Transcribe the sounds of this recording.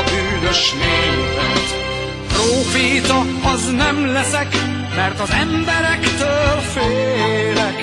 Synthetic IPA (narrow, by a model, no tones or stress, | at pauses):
byːnøʃneːlvɛt̪ | proːfit̪ɒ | ɒznɛmlɛsɛk | mɛrt̪ɒzɛmbɛɾɛkt̪øːlfeːlɛk